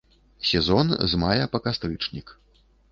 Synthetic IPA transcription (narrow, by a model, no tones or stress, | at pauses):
sʲɛzɔnzmajɐpɐkast̪ɾɨt͡ʂnʲik